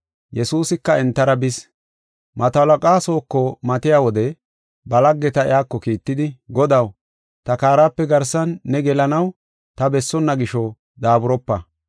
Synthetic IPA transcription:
jɛsuːsɪkːɐɛnt̪ːɐɾɐbɪs | mɐt̪ɐlɐkʼaːso̞ːkːɔmɐt̪ɪjaːwɔd̪ɛ | bɐlɐɡːɛt̪ɐɪ̰jaːkːɔkiːt̪ːɪd̪ɪɡɔd̪ɐw | t̪ɐkaːɾaːpːɛɡɐɾsɐnːɛɡɛlɐnɐw | t̪ɐbɛsːɔnːɐɡɪʃɔ | d̪aːbʊɾɔpːɐ

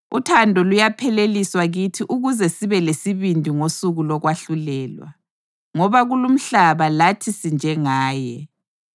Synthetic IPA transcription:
ṵtʰandʱɔlujapʰɛleliswaɣitʰiʔuɣuzɛsiβɛlesiβindʱiŋosuɣulɔɣwaɬulɛːlwa̰ | ŋɔβaɣulum̩ɬaβalatʰisind͡ʒʱɛŋaːjɛ

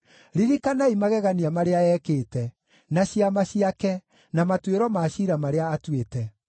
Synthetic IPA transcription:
ɾiɾikanaimaɣɛɣaniamaɾeaɛːkeːtɛ | naɕiamaɕiakɛ | namatweɾɔmaɕiɾamaɾeaːtwetɛ

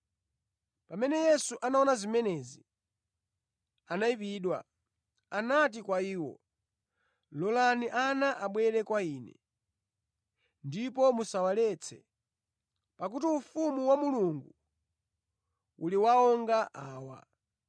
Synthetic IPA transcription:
pamɛnɛjɛsuʔanaɔnazimɛnɛzi | anaipiɗwa̰ | anat̬ikwaiːwɔ̰ | lɔlaniʔanaʔaɓwɛɾɛkwaiːnɛ̰ | ndipɔmusawalɛt͡sʰɛ̰ | pak̬utiufumuwamuluŋɡu | uliwaɔŋɡaʔaːwa̰

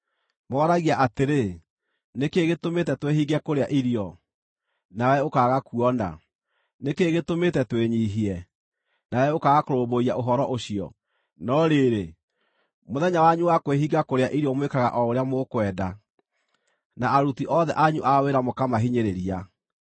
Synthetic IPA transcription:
mɔːɾaɣiaʔateɾe | nekeɣetometɛtwehiɣɛkoɾeaʔiɾiɔ | nawɛokaɣakuɔna̰ | nekeɣetometɛtweɲiɦiɛ | nawɛokaɣakoɾoboiaʔoɦɔɾɔʔoɕiɔ̰ | nɔɾeɾe | moðɛɲawaɲuwakweɦiɣakoɾeaʔiɾiɔmwekaɣa̰ʔɔoɾeamokwɛːda | naaɾutiʔɔðɛʔaɲuʔaweɾamokamaɦiɲeɾeɾia

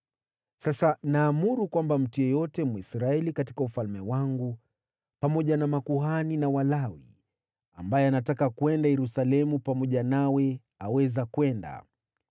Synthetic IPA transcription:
sasanaːmuɾukwambam̩tujɔjɔtɛmɔisɾaɛlikati̥kaufalmɛwaŋɡu | pamɔʄanamakuɦaninawalawḭ | ambajɛanatakakwɛndajɛɾusalɛmupamɔʄanawɛ | awɛzakwɛnda̰

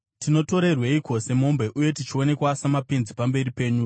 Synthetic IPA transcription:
tino̞to̞ɾe̞rweiko̞se̞mo̞mbe̞ʔuje̞tit͡ʃio̞ne̞kwasamapenzipambe̞ripe̞ːɲu

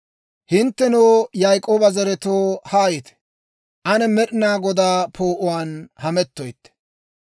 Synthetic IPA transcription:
hɪnt̪ːɛnoːjajkʼoːbɐzɐɾɛt̪oːhaːjɪt̪ɛ̥ | ʔɐnɛmɛɗnaːɡɔd̪aːpʰoːʔʊwaːnhɐmɛt̪ːɔjt̪ːɛ̥

